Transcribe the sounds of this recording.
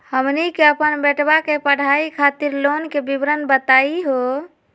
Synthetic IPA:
həmnikeəpənbeʈbakepəɽ̤aikʰat̪iɾlonkebibɾənbət̪aiɦo

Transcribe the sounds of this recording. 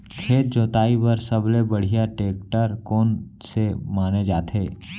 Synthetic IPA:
kʰeːt̪̚d͡ʒoːt̪aːibɐɾsɐblebɐɽ̤ijaʈeːk̚ʈəɾkɔːnsemaːned͡ʒaːt̪eː

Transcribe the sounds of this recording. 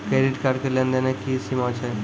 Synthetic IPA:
kɾeɾiʈkaɾkəɾljãnd̪anẽkisimat͡ɕa

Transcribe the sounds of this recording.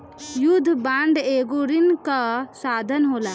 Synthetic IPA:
jud̪ʱːbaɳɖeɡoɾinkasad̪ʱənɦola

